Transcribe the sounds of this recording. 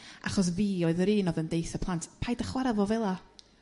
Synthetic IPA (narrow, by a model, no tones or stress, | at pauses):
a̰χɔs̬viːɔɨðəɾiːnɔðəndejθəpʰlˠantʰpʰajdəχwɛɾavoːvɛlˠa